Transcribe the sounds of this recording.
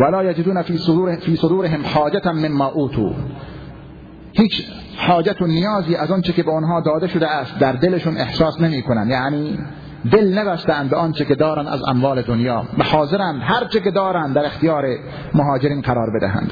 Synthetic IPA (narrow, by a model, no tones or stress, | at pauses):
ʋælɒːjad͡ʒɪd̪uːnæfisfiːsod̪uːɾeɦemħɑːd͡ʒat̪memːɑːʔuːt̪ʰṵː | hiːt͡ʃ | ħɒːd͡ʒæt̪onijɒːziːʔæzɒnt͡ʃekebeonɦɒːd̪ɒːd̪eʃod̪eæst̪̚d̪æɾd̪eleʃunehsɑːsnemiːkʰonænd̪jaʕniː | d̪elnebæst̪æænd̪beʔɒːnt͡ʃeked̪ɒːɾænd̪æ̰zæ̰mvɒːled̪onjɒːbehɒːzeɾænd̪ɦæɾt͡ʃʰeked̪ɒːɾænd̪d̪æɾext̪ijɑːɾe | moɦɑːd͡ʒeɾiːnqæɾɒːɾbed̪æ̰ɦæ̰nd̪̥